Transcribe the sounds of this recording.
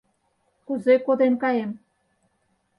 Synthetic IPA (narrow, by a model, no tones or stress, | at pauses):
kuzekod̪emkɑjem